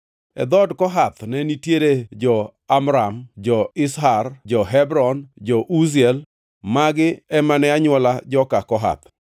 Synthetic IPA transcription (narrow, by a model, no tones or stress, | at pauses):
ɛ̰d̪ɔdkɔɦat̪nɛnitjeɾed͡ʒɔ | amɾamd͡ʒɔɪsɦard͡ʒɔɦɛbɾɔnd͡ʒɔʔuzɛl | maɡɪɛmanɛaɲwɔlad͡ʒɔkakɔɦa̰t̪̚